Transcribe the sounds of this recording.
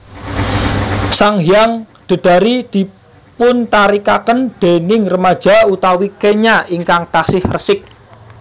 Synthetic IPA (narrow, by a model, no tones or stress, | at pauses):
saŋɦjaŋd̪̥ə̤d̪̥a̤ɾid̪̥i̤ | pʊnt̪aɾikakənd̪̥enɪŋrəmad̥ʒ̥a̤ut̪awikeɲaiŋkaŋt̪asɪhrəsɪk̚